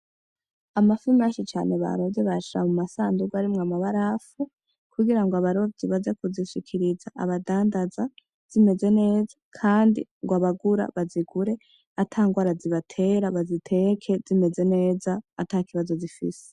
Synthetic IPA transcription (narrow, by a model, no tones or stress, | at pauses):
amafimaʃit͡ʃaːne̞βa̰ɾodeβaʃiɾa̰mumasaːnduɡwaɾimŋamaβaɾafu | kʰuɡiɾaŋɡwaβaɾovziβazekuziʃikʰiɾizaʔa̰βadaːndaza | z̥ime̞ze̞ne̞ːzḁkʰaːndḭŋɡwaβaɡuɾa̰βaziɡuɾe̞ | atʰaːŋɡwaːɾaziβatʰe̞ɾaβazitʰe̞kʰe̞zime̞ze̞ne̞ːzaːtakiβazo̞zifḭse̥